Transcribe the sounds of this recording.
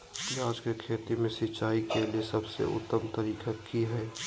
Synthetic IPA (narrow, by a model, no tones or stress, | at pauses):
iaːd͡ʒkekʰeːt̪imẽsɪt͡ʃaːikeliesɐbsḛʔʊ̰t̪ːəmt̪əɾiːkakʰiɦɛː